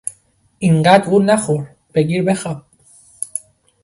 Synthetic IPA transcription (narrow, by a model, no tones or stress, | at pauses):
ʔiŋɢæd̪uːnæxoɾ | b̥eɡiːɾbexɑb